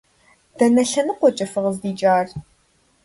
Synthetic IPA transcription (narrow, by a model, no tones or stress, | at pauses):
d̥ɐnɐɬɐnɨqʷɔt͡ʃʼɐfɨʁəzdiːt͡ʃʼaːr